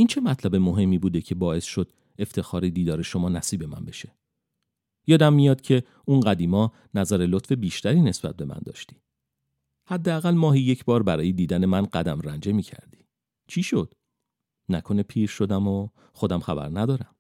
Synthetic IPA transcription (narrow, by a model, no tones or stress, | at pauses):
int͡ʃʰe̞mæt̪ʰlæbe̞mo̞ɦe̞mːiːbuːd̪ecʰe̞bɒːe̞sʃo̞d̪̥ | e̞ft̪ʰe̞xɒːɾid̪iːd̪ɒːɾe̞ʃo̞mɒːnæsiːbe̞mæ̰nbe̞ʃe̞̥ | jɒːd̪æmːijɒːd̪̚cʰe̞ | unɢæd̪iːmɒː | næzæɾelot̪fe̞biːʃt̪ʰæɾiːne̞sb̥æ̰t̪̚be̞mæ̰nd̪ɒ̰ːʃt̪i̥ː | hæd̪ːeæɣælmɒːɦijecʰbɒːɾbæɾɒːjed̪iːd̪æne̞mænɢæd̪æmɾænd͡ʒe̞miːcʰæ̰ɾd̪i̥ː | t͡ʃʰiʃo̞d̪̥ | nækʰo̞nepʰiːɾʃo̞d̪æmo | xo̞d̪æmxæ̰bæ̰ɾnæd̪ɒːɾæm